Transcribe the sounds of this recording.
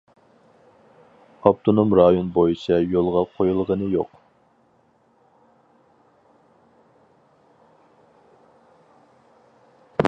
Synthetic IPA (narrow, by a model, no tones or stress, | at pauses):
ɑp̚t̪ʰonomɾɑjonbojit͡ʃʰɛjolˠʁɑqʰojulˠʁənɨjoq